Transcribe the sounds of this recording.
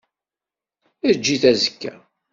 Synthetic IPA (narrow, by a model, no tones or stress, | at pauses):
əɾd͡ʒːiθæzəkːæ